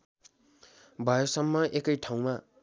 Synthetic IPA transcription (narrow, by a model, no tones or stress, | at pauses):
bʱʌjosʌmːʌʔekʌjʈʰaw̃ma